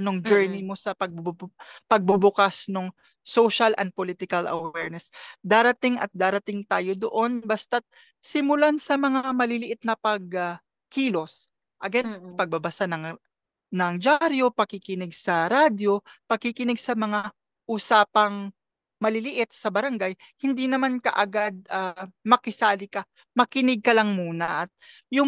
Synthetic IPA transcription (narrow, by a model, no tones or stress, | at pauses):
noŋd͡ʒɛɹnɪmo̞sɐpɐɡ̚bpɐɡ̚bʊbʊkasnoŋ | sowʃɐlʔɐ̰n̚polɪt̪ɪkɐlʔɐ̰wɛɹnɛsd̪aːɾɐt̪ɪŋʔɐ̰t̪̚d̪aːɾɐt̪ɪŋt̪aːjo̞d̪o̞ʔo̞nbɐst̪ɐt̪̚ | sɪmʊlansɐmɐŋaamɐlɪlɪʔɪt̪̚nɐpɐɡ̚ | kiːlo̞s | ʔɐɡɛnpɐɡ̚bɐbɐsanɐŋ | nɐŋd͡ʒaɾjo̞pɐkɪkɪnɪɡsɐɾaːd̪jo̞pɐɡkɪkɪnɪɡsɐmɐŋa | ʔuːsaːpɐŋ | mɐlɪlɪʔɪt̪̚sɐbɐɾɐŋɡaj | hɪnd̪inɐmankɐ̰ʔɐɡad̪̚amɐkɪsaːlɪka | mɐkɪnɪɡ̚kɐlɐŋmuːnɐʔɐt̪̚ | jʊŋ